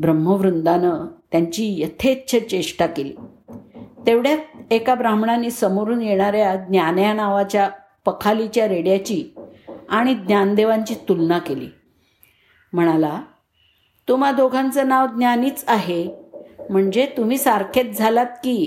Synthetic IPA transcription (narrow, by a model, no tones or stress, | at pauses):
bɾəmːəʋɾund̪anət̪jaɲt͡ɕiːjət̪ʰet̪t͡ɕʰet͡ɕeʂʈakelḭː | t̪eʋɽjaekabɾamɳanːiːsəmoɾuːnjeɽ̃aɾjad̪njanjanaʋat͡ɕja | pəkʰalit͡ɕjaɾeɽjat͡ɕiːaɽ̃id̪njand̪eʋaɲt͡ɕiːt̪ulnakelḭː | m̤əɽ̃ala | t̪um̤ad̪oɡʱãnt͡sənaʋd̪njaniːt͡saɦe | m̤əɳd͡ʑet̪um̤iːsaɾkʰet̪̚d͡zʱalat̪̚kiː